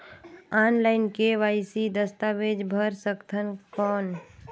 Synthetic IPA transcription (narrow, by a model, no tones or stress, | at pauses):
anlaɪnkeʋaɪsid̪əst̪aʋed͡ʒbʱəɾsəkt̪ʰənkɔːn